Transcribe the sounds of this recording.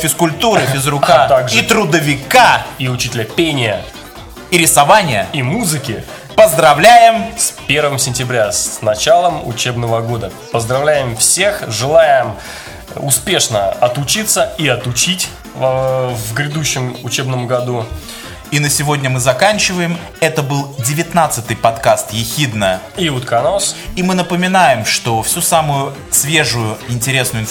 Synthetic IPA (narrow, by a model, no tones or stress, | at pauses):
fʲɪskʊlʲt̪uɾɨɪzɾʊkat̪aɡit̪ɾʊd̪əvʲɪkaiʊt͡ɕitʲɪlʲəpʲenʲɪjə | iɾʲɪsɐvanʲɪjəimuzɨkʲɪ | pəzd̪ɾɐvlʲæjɪmspʲe̞rvəmsʲɪnʲtʲɪbɾʲasnɐt͡ɕalˠəmʊ̰t͡ɕebnəvəɡo̞d̪ə | pəzd̪ɾɐvlʲæjɪmfsʲexʐɨlˠajɪm | ʊspʲe̞ʂnəɐt̪ʊt͡ɕit̪sːəiɐt̪ʊt͡ɕitʲ | vɡɾʲɪd̪uɕːɪmʊt͡ɕebnəmɡɐd̪u | inəsʲɪvo̞dʲnʲəmɨzɐkanʲt͡ɕɪvəjɪm | ɛt̪əbɨlˠdʲɪvʲɪt̪nat̪sɨt̪ɨjpɐt̪kast̪jɪxʲid̪nə | iut̪kɐnosimɨnəpəmʲɪnajɪmʂt̪o̞fsʲusamʊjʊ | svʲe̞ʐʊjʊɪnʲtʲɪɾʲe̞snʊjʊɪn